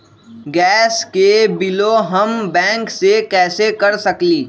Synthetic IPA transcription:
ɡɛːskebɪloɦɐmbɛ̃ːŋksekɛːsekɐɾsɐkliː

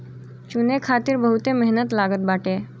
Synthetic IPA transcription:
t͡ɕunekʰat̪iːɾbəɦut̪eməɦnət̪laɡət̪̚baʈe

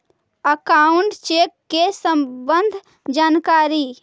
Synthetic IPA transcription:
əkaʊɳʈt͡ʃeːkːesə̃mbə̃nd̪ʱ | d͡ʒaːnkaːɾi

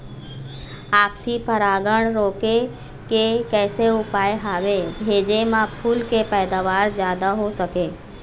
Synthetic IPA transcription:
aːpsipəɾaːɡəɳ̃ɾoːke | kekɛːseʊpaːjɦaːʋebʱeːd͡ʒemãpʰuːlkepɛːd̪aʋaːɾd͡ʒjaːd̪aɦosəke

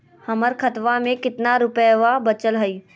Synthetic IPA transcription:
hɐməɾkʰət̪ʋamẽkɪt̪naɾʊpjʋabət͡ʃəlɦəi

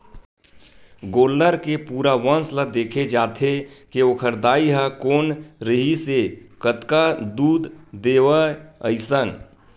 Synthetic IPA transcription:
ɡoːlːəɾkepuːɾaʋənsləd̪eːkʰed͡ʒaːt̪ʰekeokʰəɾd̪aːiɦəkoːnɾəɦisekət̪kad̪uːd̪d̪eːʋəə̰ɪsən

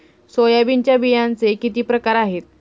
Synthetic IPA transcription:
sojabiɲt͡ɕjabijãnt͡sekit̪iːpɾəkaɾaɦet̪̚

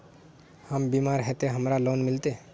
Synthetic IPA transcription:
həmbiːmaːɾɦɛt̪eɦəmɾaloːnmɪlt̪e

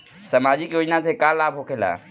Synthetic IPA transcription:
səmad͡ʒikjoːd͡ʒnat̪ekalabʱɦokʰela̰

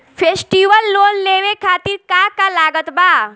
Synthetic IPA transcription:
fʰeːsʈiːʋəlːoːnleːʋekʰaːt̪iɾkaːkalaːɡət̪baː

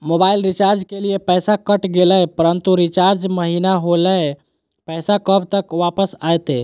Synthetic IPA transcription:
mobailɾit͡ʃaɾd͡ʒkeliepəjsakəʈɡeləpəɾənt̪uɾit͡ʃaɾd͡ʒməɦinaɦoləj | pɛjsakəbt̪əkʋapəsajt̪e

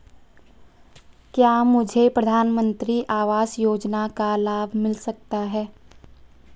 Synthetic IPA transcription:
kjaːmʊd͡ʒʱepɾəd̪ʱaːnmə̃nt̪ɾiʔaːʋaːsjoːd͡ʒnakalaːbʱmɪlsɐk̚t̪aɦɛː

